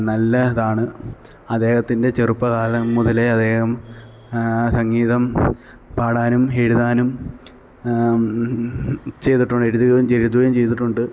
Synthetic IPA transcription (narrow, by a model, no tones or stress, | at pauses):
nɐlːɐɐðaːɳɨ | ɐd̪ːe̞ːhɐt̪ːinde̞t͡ɕerupːɐɣaːlɐːuðɐleɐd̪ːe̞ːhɐm | sɐŋːiːðɐm | paːɽaːnumeɻuðaːnum | t͡ɕe̞jt̪iʈːuɳɖe̞ɻuðuɣɐjumt͡ɕeɻut̪̬ːuɣɐjumt͡ɕe̞jt̪iʈːuɳɖɨ